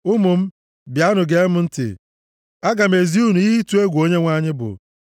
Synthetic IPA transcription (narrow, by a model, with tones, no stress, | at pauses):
ʊ˦mʊ˨m̩˦ | bja˦nʊ˨ɡe˦mʊ˦n̩˦tɪ̰˨ | a˦ɡa˨m̩e˨zi˦u˦nu˨i˦ɦi˦tu˦e˦ɡʷu˨o˦ɲe˦ŋʷa˦ɲɪ˦bʊ̰˨